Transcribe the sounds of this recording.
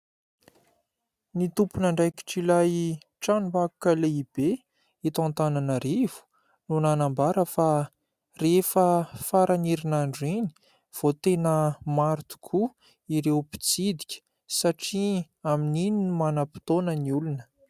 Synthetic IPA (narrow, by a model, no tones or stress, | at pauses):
nit̪upunaɳɖ͡ʐajki̥ʈ͡ʂilaj | ʈ͡ʂanumbaku̥kʲəleib̥e | it̪ãnt̪ananəɾiv̥u̥ | nunanambaɾəfa | refəfaɾʔaniɾinaɳɖ͡ʐini̥ | v̥ot̪enəmaɾt̪u̥kʰu | iɾewpi̥t͡sid̪i̥kʲə̥ | saʈ͡ʂi | aminininimanəpi̥t̪onəniulunə̥